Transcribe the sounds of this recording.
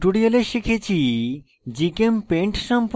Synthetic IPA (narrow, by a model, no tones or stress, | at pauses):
ʈuɖioleʃikʰet͡ɕʰi | d͡ʑikempeɳʈʃɔmp